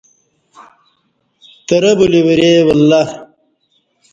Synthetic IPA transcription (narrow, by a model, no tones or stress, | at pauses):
t̪ɐɾɐbuliwɐɾeːwɐlːɐ